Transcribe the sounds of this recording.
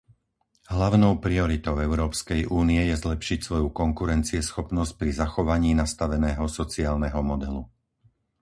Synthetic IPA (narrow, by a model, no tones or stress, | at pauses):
ɦlaʊnɔʊpɾiɔɾit̪ɔʊɛʊɾɔːpskɛjʔuːniɛjɛzlɛpʃicsʋɔjukɔŋkuɾɛnt͡siɛsxɔpnɔsc̚pɾizaxɔʋaɲiːnast̪aʋɛnɛːɦɔsɔt͡siaːlnɛɦɔmɔd̪ɛlu